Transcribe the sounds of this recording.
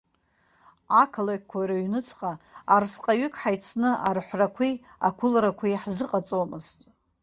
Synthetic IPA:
akʰalakkʷʰːajɾaɥnɨt͡sʰqʼaarsqʼaɥʏkʰʼħajt͡sʰnɨarħʷrakʷʰi | a̰kʷʰʊlrakʷʰijħzɨqʼat͡sʼomɨztʼ

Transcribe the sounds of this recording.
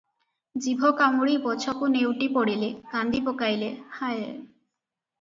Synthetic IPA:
d͡ʑibʱokamuɽibɔt͡ɕʰɔkunewʈipoɽilekand̪ʱipokajlehaje

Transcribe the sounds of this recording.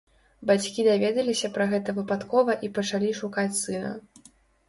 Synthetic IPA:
bat͡sʲkʲid̪avʲɛd̪ɐlʲisʲɐpɾɐɣɛt̪ɐvɨpat̪kɔvɐʔipɐt͡ʂalʲiʂukat͡sʲsɨnɐ̰

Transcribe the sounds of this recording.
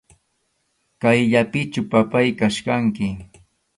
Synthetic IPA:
kajʎapɪt͡ʃʊpapajkaʃkaŋkɪ

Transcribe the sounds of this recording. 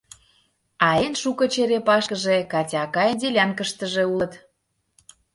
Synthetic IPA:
ɑenʃukɤ̆t͡ɕeɾepɑʃkəʒekɑtʲɑkɑjend̪ʲelʲɑnkəʃt̪ə̆ʒeulə̆t̪

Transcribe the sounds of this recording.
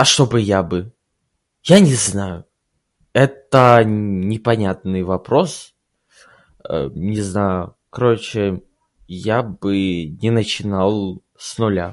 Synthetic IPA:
ɐʂt̪o̞bɨjabɨ | janʲɪznajʊ | ɛt̪ənʲɪpɐnʲat̪̚nɨjvɐpɾo̞s | ə̰nʲɪznajʊ | kɐɾot͡ɕɪ | jabɨnʲɪnət͡ɕɪnalˠ | snʊlʲa̰

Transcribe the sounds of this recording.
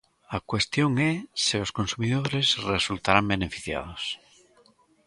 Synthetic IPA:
akwest̪joŋɛseoskõnsumiðoɾesresult̪aɾambenefi̥θja̰ð̞os

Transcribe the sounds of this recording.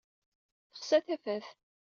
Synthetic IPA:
θə̥χsæθæfæθ

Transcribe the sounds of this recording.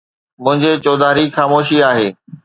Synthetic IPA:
mʊ̃ɦɪ̃ɲd͡ʑeːt͡ɕoːd̪aːɾixaːmoːʃiaːɦeː

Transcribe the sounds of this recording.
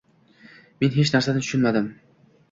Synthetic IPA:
me̞nɦe̞t͡ʃnæɾsanɪt̪ʰʊ̥ʃʊnmad̪ɪm

